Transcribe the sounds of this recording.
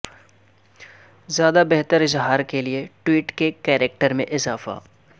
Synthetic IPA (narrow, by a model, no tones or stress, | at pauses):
zjaːd̪abɛɦt̪əɾɪzɦaːɾkelieʈwiːʈkekɛːɾek̚ʈəɾmḛ̃ʔɪzaːfa̰ː